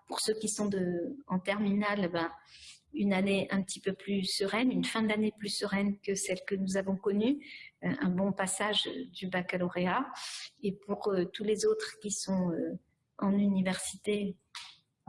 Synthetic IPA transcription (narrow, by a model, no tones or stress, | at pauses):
puʁsøkʲisɔ̃d̪əɑ̃t̪ɛʁminalebɛ̃ | ynaneɛ̃pət̪ʰipøplysəʁɛnynfɛ̃d̪aneplysəʁɛnkəsɛlkənuzavɔ̃kɔnyɛ̃bɔ̃pasaʒd̪ybakalɔʁeaepuʁøt̪ulezot̪χkʲisɔ̃ø | ɑ̃nynivɛʁsit̪e